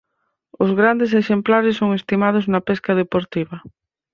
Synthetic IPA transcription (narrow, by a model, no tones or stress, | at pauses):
ʊzɣɾand̪es̬eʃemplaɾɪsːoŋest̪imað̞ʊznɐpɛskɐðepoɾt̪iβɐ